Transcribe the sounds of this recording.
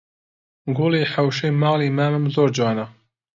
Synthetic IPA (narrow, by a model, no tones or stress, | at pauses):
ɡuleːħawʃeːmɑːliːmaːmɨmzoːɾd͡ʒɑːnɐ